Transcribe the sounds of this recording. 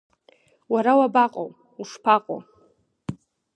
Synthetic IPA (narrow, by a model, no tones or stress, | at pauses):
waɾawabaqʼo̰w | uʂpʰaqʼo̰